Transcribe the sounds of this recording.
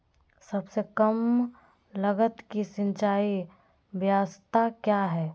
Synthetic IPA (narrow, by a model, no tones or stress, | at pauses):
sɐbsekəm | ləɡət̪kisɪ̃nt͡ʃaːi | ʋjaːst̪akjaɦɛː